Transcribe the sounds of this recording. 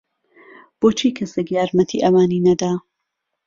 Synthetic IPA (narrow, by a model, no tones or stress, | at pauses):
b̥oːt͡ʃʰiːkʰɐsekjaːɾmɐt̪ʰḭʔɐmaːniːnɐd̪aː